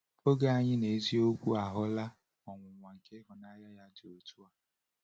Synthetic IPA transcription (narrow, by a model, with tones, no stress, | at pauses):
o˦ɡe˦a˨ɲɪ˦ne˨˦zi˦o˦kʷu˦a˨ɦʊ˦la˦ | ɔ˨ŋʷʊ˨ŋʷa˨ŋ̩˨ke˦ɦʊ˨na˦ja˦ja˦dɪ˨o˨tu˦a˦